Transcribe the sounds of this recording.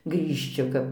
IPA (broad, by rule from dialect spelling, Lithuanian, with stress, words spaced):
ɡrʲiːʃʲˈt͡ʃʲɪ kɐp